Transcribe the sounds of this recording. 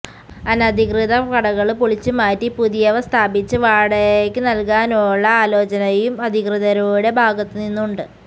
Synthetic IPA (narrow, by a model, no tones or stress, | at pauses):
ɐnɐd̪ʱikrɨðɐkɐɽɐɣɐɭpuɭit͡ɕːumaːtːipuðijɐʋɐst̪ʰaːbit͡ɕːɨʋaːɽeekʲːɨnɐlkaːnuɭːɐaːlo̞ːt͡ɕɐnɐjumɐd̪ʱikrɨðɐɾuːɽe̞bʱaːɡɐt̪ːɨninːuɳɖɨ